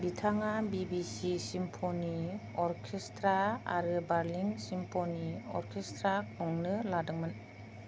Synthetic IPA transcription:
bitʰaŋabibisisimpʰoni | ɔɾkʰestɾaa̰ɾɯbaɾliŋsimpʰoniɔ̰ɾkʰestɾakʰuŋnɯladɯŋmɯn

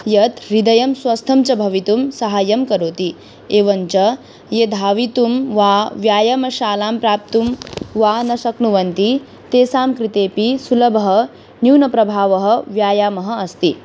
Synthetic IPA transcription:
jɐt̪ɾid̪ɐjɐmswɐst̪ʰɐmt͡ʃɐbʱɐʋit̪umsɐɦaːjɐmkɐɾoːt̪i | eːʋɐɲt͡ʃɐ | jed̪ʱaːʋit̪umʋaːʋjaːjɐmɐʃaːlaːmpɾaːp̚t̪umʋaːnɐʃɐknuʋɐnt̪i | t̪eːsaːmkɾit̪eːpisulɐbʱɐɦɐ | niːwnɐpɾɐbʱaːʋɐɦɐ̆ʋjaːjaːmɐɦɐɐst̪i

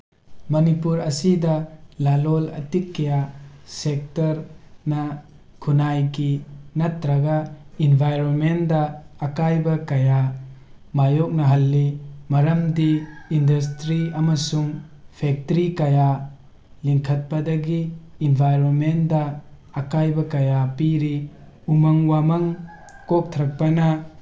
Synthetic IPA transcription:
mɐnipuɾɐsidɐlalolɐ̰tikːejasek̚tɐɾnɐ | kʰunajkinɐtɾɐɡainbʱajɾonmendɐːkajbɐkɐja | majɔk̚nɐɦɐlːimɐɾɐmdiːndɐs̬tɾiɐmɐsuŋ | pʰek̚tɾikɐja | liŋkʰɐt̚pɐdɐɡiːnbʱajɾonmendɐː | kajbɐkɐjapiɾi | umɐŋwamɐŋ | kok̚tʰɾɐk̚pɐnɐ

